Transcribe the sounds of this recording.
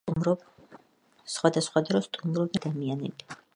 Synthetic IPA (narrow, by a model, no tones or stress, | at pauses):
sχwad̪asχwad̪ɾɔst̪ʼumɾɔbiad̪amianɛ̰bi